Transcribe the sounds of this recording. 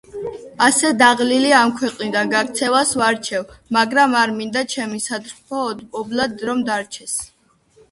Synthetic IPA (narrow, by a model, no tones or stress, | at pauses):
asɛd̪aʁliliamkʰwɛqʼnid̪anɡaɾt̪sʰɛvasvaɾt͡ʃʰɛvmaɡɾamaɾmind̪at͡ʃʰɛmisat̪ɾpʰɔːd̪pʼɔblad̪ɾɔmd̪aɾt͡ʃʰɛs